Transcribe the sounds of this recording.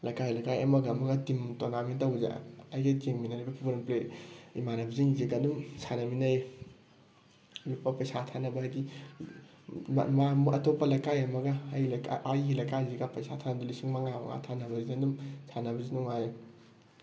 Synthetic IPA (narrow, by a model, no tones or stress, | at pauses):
lɐjkajlɐjkajɐmɐɡɐːmɐɡɐtimtonamintawza̰ajɡekiŋminaɾabapʰibɐɾmpleḭmanɐbiziŋziɡadumsʰanɐminaj | mipːɐpɐjsatʰanɐbɐɦajɡi | mamuɐtopːɐlɐjkajɐmɐɡɐjkaajɡilɐjkaziɡapɐjsatʰanɐdulisiŋmɐŋama̰ŋa̰tʰanɐbɐziandumsʰanɐbɐzinuŋaj